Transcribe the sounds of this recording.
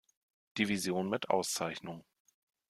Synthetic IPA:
d̥ivizjoːnmɪtʔa̰ʊst͡saɪçnʊŋ

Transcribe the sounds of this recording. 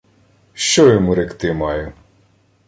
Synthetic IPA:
ʃt͡ʃɔjɔmuɾɛkt̪ɪmɑjʊ

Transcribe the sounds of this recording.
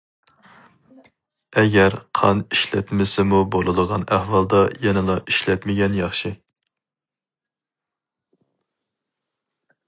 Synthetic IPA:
ɛɡʲɛɾqʰɑ̰niʃlɛt̪mɪsɪmubolˠɨd̪əʁɑnæhwɑlˠd̪ɑjɛnɪlˠɑʔiʃlɛt̪mɪɡʲɛnjɑχʃi

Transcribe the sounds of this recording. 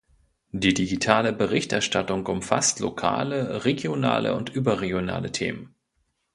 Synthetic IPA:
d̥iːdiɡitʰaːləbəʁɪçtʔɛɐʃtatʊŋʊmfa̰stlo̰kʰa̰ːləʁeɡjona̰ːlə̰ʊntʔyːbɐʁeɡjona̰ːlətʰeːmən

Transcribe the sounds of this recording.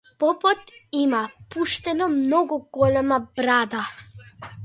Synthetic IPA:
pɔpɔt̪imapuʃt̪ɛnɔmnɔɡuɡ̥ɔlɛmabɾad̪a

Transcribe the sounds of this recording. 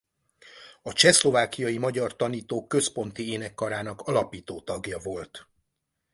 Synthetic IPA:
ɒt͡ʃɛslo̞vaːkːijɒjimɒɟɒrt̪ɒniːt̪oːkːø̞spo̞nt̪ieːnɛkːɒɾaːnɒkɒlɒpiːt̪oːt̪ɒɡjɒvo̞lt̪

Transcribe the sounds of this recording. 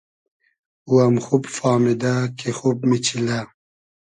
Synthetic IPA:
uamxubfaːmid̪akexubmit͡ɕʰila

